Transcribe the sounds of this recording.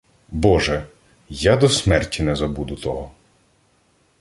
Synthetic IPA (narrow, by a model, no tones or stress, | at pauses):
bɔʒɛ | jad̪ɔsmɛrtʲːinɛzɐbud̪ʊt̪ɔɦɔ